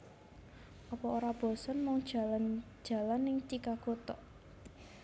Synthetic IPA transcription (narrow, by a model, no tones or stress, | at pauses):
ʔɔpɔoɾab̥ɔ̤sɔnmɔŋd̥ʒ̥aland̥ʒ̥a̤lanːɪŋt͡ʃikakot̪ɔʔ